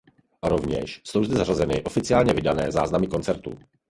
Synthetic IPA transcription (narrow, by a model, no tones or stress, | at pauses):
ɾo̞vɲɛ̰ʃsowzd̪ɛzarazɛnɪʔo̞fɪt͡sɪaːlɲɛvɪdanɛːza̰ːznamɪko̞nt͡sɛɾt̪ṵ